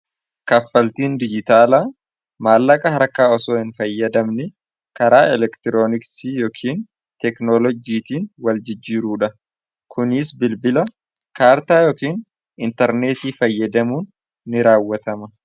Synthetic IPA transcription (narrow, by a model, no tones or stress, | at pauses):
kɐfːɐlt̪iːnd̪ɪd͡ʒɪt̪aːlaː | maːlːɐkʼɐhɐɾkːaːɔsoːhɪnfɐjːɐd̪ɐmnɪ | kɐɾaːɛlɛkt̪ɪɾoːnɪksiːjoːkʰiːn | t̪ɛknoːlɔd͡ʒiːt̪iːnwɐld͡ʒɪd͡ʒːiːɾuːᶑɐ | kʰʊnɪsbɪlbɪlɐ | kaːɾt̪aːjoːkiːn | ɪnt̪ɐɾne̞ːt̪iːfɐjːɐd̪ɐmuːnː | ɪɾaːwːɐt̪ɐmɐ